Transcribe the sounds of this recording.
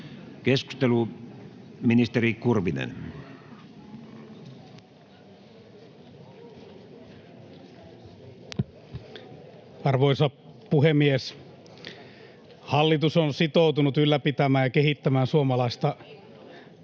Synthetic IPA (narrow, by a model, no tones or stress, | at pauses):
kesku̥st̪elu | minist̪erikurʋinḛn | ɑrʋoisɑpuhemies | hɑlːit̪usonsit̪out̪unut̪ylːæpit̪æmæːnjɑkehit̪ːæmæːnsuomɑlɑist̪ɑ